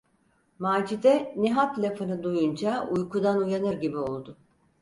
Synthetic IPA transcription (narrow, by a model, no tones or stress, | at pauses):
maːd͡ʒid̪ɛneɦat̪lʲafanɯd̪ujund͡ʒaujkʰud̪anujanɯɾɟibio̞lˠd̪ʊ